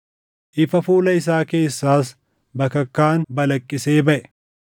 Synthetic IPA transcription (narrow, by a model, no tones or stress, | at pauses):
ʔɪfɐfuːlɐɪs̬aːke̞ːsːaːs | bɐkɐkːaːnbɐlɐkʼːɪse̞ːbɐʔɛ̥